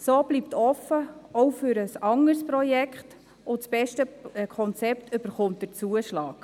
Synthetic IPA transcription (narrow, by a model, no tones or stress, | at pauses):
soːb̥liptʰɔfːəɔwfʏɾəsɑŋəɾspɾɔjɛkχt | ʊsb̥ɛʃtəkʰχɔnt͡sɛptʰʏb̥əɾχʊmt̚d̥əɾt͡suəʃlɑːk